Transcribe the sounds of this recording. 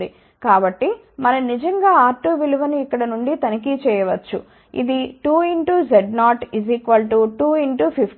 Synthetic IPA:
d̪i | kaːbɐʈːi | mɐnɐnid͡ʒɐŋɡaːaːɾʈuʋiluʋɐniːkːɐɽɐnuɳɖit̪ɐnik̬it͡ʃɛːjɐʋɐt͡ʃːṵ | ḭd̪iʈuːiɳʈuzeɖnaːʈizikʋɐlʈuːʈuːiɳʈupʰipʰ

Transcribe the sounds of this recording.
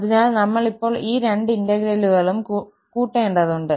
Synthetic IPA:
ɐðinaːlnɐmːɐɭipːo̞ːɭiːɾeɳɖind̪ɐɣɾeluɣɐɭumkː | kuːʈːeːɳɖɐðuɳɖɨ

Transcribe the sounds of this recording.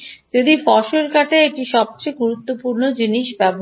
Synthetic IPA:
d͡ʑod̪ibɔʃoɾkaʈeeʈiʃɔb̚t͡ɕeɡuɾut̪ːopuɾnod͡ʑiniʃbɛbo

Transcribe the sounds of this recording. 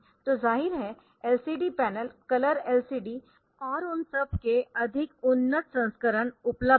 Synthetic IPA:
t̪ozaːɦiɾɦɛ | elsiɖipɛnəlkɐləɾelsiːɖi | ɔːɾʊnsəb̚keɐd̪ʱɪkʊnːət̪sə̃nskəɾəɳʊplə

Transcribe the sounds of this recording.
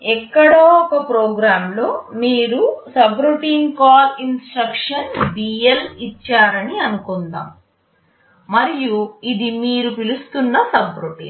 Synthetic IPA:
ɛkːɐɽoːɔkɐpɾoːɡɾaːmlo̞ːmiːɾusɐbɾuʈiːnkaːlinsʈɾɐkʂɐnɖiːjelit͡ʃːaːɾɐniɐnukund̪a̰ːm | mɐɾijuid̪imiːɾupilust̪unːɐsɐbɾoʈḭːn

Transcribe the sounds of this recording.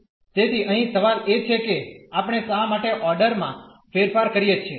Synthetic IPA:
t̪et̪ʰiʔəɦĩsəʋalet͡ʃʰekeapɳ̃esamaʈeʔɔɾɖəɾmã | feɾfaɾkəɾijet͡ʃʰe

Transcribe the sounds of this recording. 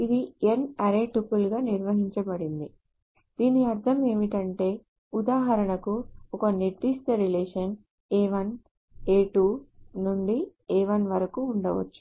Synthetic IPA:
id̪ienɐɾeːʈupulɡaːniɾʋɐɦiɲt͡ʃɐbɐɽind̪i | d̪̥iːniɐɾt̪ʰɐme̞ːmiʈɐɳʈe̞ː | ud̪aːɦɐɾɐɳɐkuɔkɐneʈːist̪ɐɾileːʂɐn | eːʋɐn | eːʈuːnuɳɖieːʋɐnʋɐɾɐkuːɳɖɐʋɐ̰t͡ʃːu̥

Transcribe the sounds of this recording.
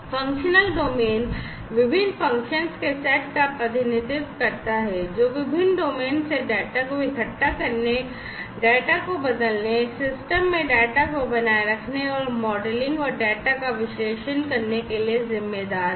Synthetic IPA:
fɐ̃ŋkʃənəlɖoːmeːn | ʋɪbʱɪnːfɐ̃ŋkʃənskesɛːʈkapɾɐd̪ʱɪnɪt̪ɪt̪kɐɾt̪aɦɛd͡ʒoːʋɪbʱɪnɖoːmeːnseɖɛːʈakobʱɪkʰɐʈːakɐɾne | ɖɛːʈakobɐd̪əlnesɪsʈəmːẽɖɛːʈakobɐnaːeɾɐkʰneɔːɾmɔːɖəlɪ̃ŋɡɔːɾɖɛːʈakaʋɪʃleːʃənkɐɾnekeliezɪmːeːd̪aːɾ

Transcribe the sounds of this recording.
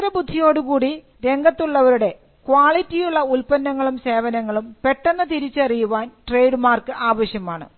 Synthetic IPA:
ɾɐbud̪ʱːijo̞ːɽukuːɽi | ɾe̞ŋɡʱɐt̪ːuɭːɐʋɐɾuɽe̞ | kwaːɭitːijuɭːɐulpɐnːɐŋːɐɭumse̞ːʋɐnɐŋːɐɭumpe̞ʈːe̞nːɐt̪iɾit͡ɕːɨɐrijuʋaːnʈrejɖmaːrkɨʔaːʋɐɕjɐmaːɳɨ̰

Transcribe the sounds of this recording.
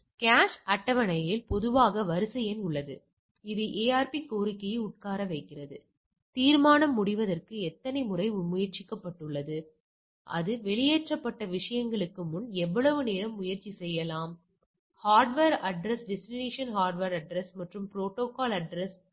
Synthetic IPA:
kaːʂɐʈːɐʋɐnɐjɪlpɔðɯʋaːɣɐʋɐɾɯsɐjenʊɭːɐðɯ | ɪðɯʔeːaːɾpikoːɾɪkːɐjɐʊʈ̚kaːɾɐʋɐɪkːɪrɐðɯ | t̪iːɾmaːnɐmːʊɽɪʋɐðɐrkɯɛt̪ːɐnɐɪmʊrɐɪʊmːʊjɐɾt͡ʃɪkːɐpːɐʈːɯɭːɐðɯ | ʔɐ̰ðɯʋɛɭɪjeːʈrɐpːɐʈːɐʋɪʂɐjɐŋɡɐɭɯkːɯmʊnɛʋːɐɭɐʋɯneːɾɐmːʊjɐɾt͡ʃːisɛjːɐlaːm | haːɾɖʋeːɾɐɖɾɐsɖɪsɾɪneːʂɪɐnhaːɾɖʋɐɾɐɖɾɛsmɐʈrɯmpɾoːʈːoːkaːlɐɖɾɛs

